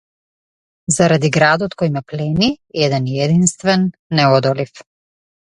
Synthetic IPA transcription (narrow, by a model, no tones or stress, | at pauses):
zaɾad̪iɡɾad̪ɔt̪kojmɛplɛniɛd̪ɛnɛd̪inst̪vɛnːɛɔd̪ɔlif